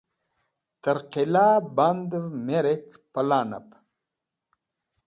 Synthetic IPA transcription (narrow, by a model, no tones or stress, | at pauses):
t̪əɾqilaːband̪meɾekpɐlaːna̰p